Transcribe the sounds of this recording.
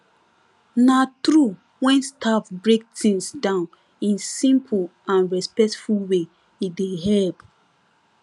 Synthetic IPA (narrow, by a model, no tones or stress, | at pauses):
natɹu | wɛ̃nstʰafbɹek̚tĩnsdãʊ̃n | ĩnsĩmpʰulãnɹɛspɛk̚tfulwe | ideɦɛlp